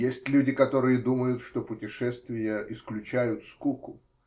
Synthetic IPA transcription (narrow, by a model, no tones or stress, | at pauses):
jesʲtʲlʲʉdʲɪkɐt̪o̞ɾɨjəd̪uməjʊt̪ʂt̪opʊtʲɪʂɛst̪vʲɪjəʔɪsklʲʉt͡ɕæjʊt̪skukʊ